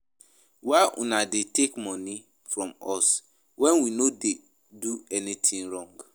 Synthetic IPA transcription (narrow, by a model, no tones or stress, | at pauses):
waɪʔṵnadetekmɔ̃ni | fɹɔ̃mɔs | wɛ̃nwinode | duɛnitʰĩŋɹɔ̃ŋɡ